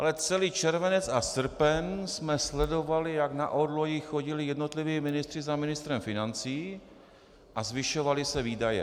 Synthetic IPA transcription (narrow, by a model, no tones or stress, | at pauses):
ʔalɛt͡sɛliːt͡ʃɛɾvɛnɛt͡sasr̩pɛnsmɛslɛdo̞valɪjaɡna̰ʔodlo̞jɪxoɟɪlɪjɛdno̞t̪lɪviːmɪnɪst̪r̥ɪzamɪnɪst̪ɾɛmfɪnant͡siː | ʔazvɪʃo̞valɪsɛviːdajɛ̰